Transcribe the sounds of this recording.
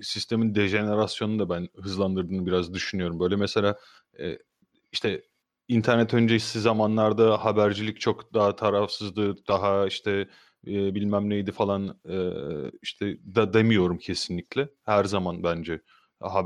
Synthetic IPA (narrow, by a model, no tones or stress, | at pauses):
sist̪ʰe̞mind̪eʒe̞ne̞ɾasjo̞nud̪abænɦɯzlˠand̪ɯɾd̪ɯːnɯbiɾazd̪yʃynyjo̞ɾumbø̞jlʲɛmese̞lʲaː | ɛ̰ | iʃt̪ʰɛ | int̪ʰæɾnɛt̪ʰø̞nd͡ʒei̥sizamanlˠaɾd̪ahabæɾd͡ʒilʲic̚t͡ʃʰokd̪aɦat̪ʰaɾafsɯzd̪ɯd̪̥aɦaiʃt̪ʰɛ | bilʲmæmnʲejd̪ifalˠanɛːiʃt̪ʰɛd̪ad̪e̞mijo̞ɾumcʰe̞sinlʲiclʲɛhæɾzamanbænd͡ʒɛ | ɦa